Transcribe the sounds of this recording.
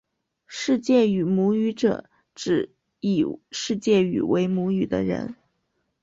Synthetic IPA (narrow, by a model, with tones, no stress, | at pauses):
ʂɻ̩˥˧t͡ɕjɛ˥˩y˨˩mu˧˥y˧˥ʈ͡ʂɤ̰˨˩˦ | ʈ͡ʂɻ̩˨˩ | ḭ˨˩ʂɻ̩˥˧t͡ɕjɛ˥˩y̰˨˩we˧˥ɪmu˧˥y˨˩d̪ə̰˦ɻə̰˧˥n